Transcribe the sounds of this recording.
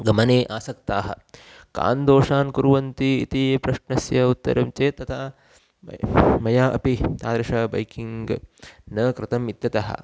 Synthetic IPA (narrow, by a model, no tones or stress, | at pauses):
ɡɐmɐneːʔaːsɐkt̪aːɦɐ̰ | ka̰ːnd̪oːʂaːnkuɾuʋɐnt̪iḭt̪ipɾɐʂnɐsjɐut̪ːɐ̰ɾɐmt͡ʃeːt̪ːɐt̪ʰa | mɐjaːʔɐ̰pit̪aːd̪ɾɐʂɐbɐ̰jkiŋɡnɐkɾɪt̪ɐmit̪jɐt̪ɐɦɐ̰